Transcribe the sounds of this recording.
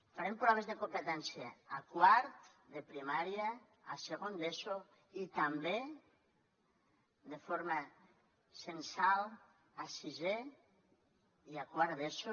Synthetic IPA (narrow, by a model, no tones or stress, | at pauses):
faɾempɾɔβezðekompet̪ɛnsjaːkwaɾt̪ | d̪epɾimaɾjaː | seɣond̪eso | it̪ambe | d̪efoɾma | sensal | asize | iakwaɾðeso